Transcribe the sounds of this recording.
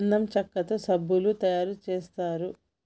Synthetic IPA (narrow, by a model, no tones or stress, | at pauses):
nːɐmt͡ʃɐkːɐt̪osɐbʱːulut̪ɐjaːɾut͡ʃeːst̪aːɾu